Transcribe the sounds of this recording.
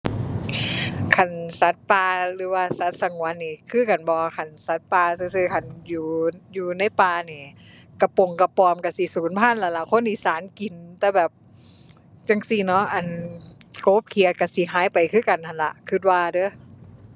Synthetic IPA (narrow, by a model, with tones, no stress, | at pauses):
kʰa˧˩nsa˨˦t̪̚paː˧lɯː˨˦waː˧˩sa˨˦t̪̚sa˧ŋu˨˦ənːiː˧˩kʰɯː˧˥˨ka˨nbɔː˧kʰa˧˩nsa˨˦˥t̪̚paː˧sɯː˧sɯː˧kʰa˧˩njuː˨˧juː˧na˧˥˩jpaː˧niː˧˩ | ka˧˩po˧˨˩ŋka˧pɔː˧mka˧˩si˧˦suː˨˦npʰaː˧˥˨nla˧˩la˧˩kʰo˧˥˨nʔi˧˨saː˨˦nki˨nt̪ɛː˧bɛː˨˩p̚ | t͡ɕa˧ŋsi˧˩nɔ˧˥ʔa˨˩n | koː˦p̚kʰi˨˧˨ət̪̚ka˧˩si˧˦ɦaː˨˦jpa˨jkʰɯː˧˥˩ka˨˩nt̪ʰa˧˩nla̰˧ʔkʰɯ˧˩t̪̚waː˧dɤ˧˩˨